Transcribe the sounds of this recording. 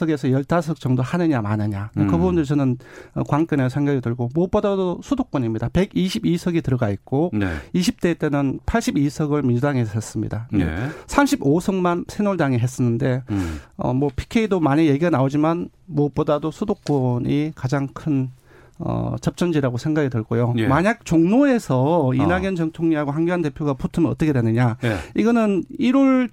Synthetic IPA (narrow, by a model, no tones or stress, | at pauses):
ʌɡe̞sʰʌjʌɭtʰasʰʌk̚t͡ɕʌŋdohanɯɲamanɯɲakɯbubundɯɾit͡ɕʌnɯnʌ̰kwaŋk͈jʌnesʰeŋɡjʌɡidɯɭɡomop͈odadosʰudok͈ʌnimɲidape̞ɡiɕʰibisʰʌɡitɯɾʌɡaik̚k͈oneiɕʰip̚t͈e̞t͈e̞nɯnpʰaɭɕ͈ibisʰʌɡɯɭmind͡ʑudaŋesʰes͈ɯmɲḭdaḛsʰamɕʰibosʰʌŋmansʰenoɭdaŋiɦes͈ʌnːɯnde̞ʌ̰mwʌpʰi̥kʰeidomaɲije̞ɡiɡanaod͡ʑiman | muʌp͈odadosʰudok̚k͈ʌɲikad͡ʑaŋkʰɯn | ʌ̰t͡ɕʌp̚t͡ɕ͈ʌnd͡ʑiɾaɡosʰe̞ŋɡaɡidɯɭɡojomaɲak̚t͡ɕoŋnoe̞sʰʌinaɡjʌnt͡ɕʌŋtʰoŋɲiɦaɡoɦaŋɡjuande̞pʰjoɡaputʰɯmʌnʌ̰t͈ʌkʰedwenɯɲaiɡʌnɯniɾoɭ